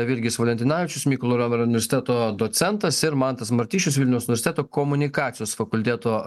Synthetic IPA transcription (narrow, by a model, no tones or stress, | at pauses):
ɐʋʲɪɾʲɡʲɪsʋɐlʲɛnt̪ʲɪnɑːʋʲɪt͡ʃʲʊsmʲiːkʊlˠoːɾʲoːmʲɛɾʊnʲɪʋʲɛɾsʲɪt̪ʲɛæːt̪oːd̪oːt̪sʲɛnt̪ɐsɪɾmɑnt̪ɐsmɐɾʲt̪ʲiːʃt͡ʃʲʊsʋʲɪlʲnʲɛʊsʊnʲʋʲɛɾsʲɪt̪ʲæːt̪oːkɔmʊnʲɪkɑːt̪sʲɪjoːsfɐkʊlʲt̪ʲeːt̪oː